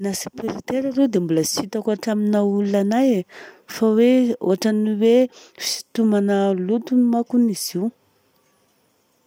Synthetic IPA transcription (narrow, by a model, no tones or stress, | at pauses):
nasi̥piɾit̪eɾaɾewd̪embuləsit̪akaʈ͡ʂaminaulːanajfaweo̰aʈ͡ʂaniwe | fi̥t̪umanəlut̪unimakuniz̥iw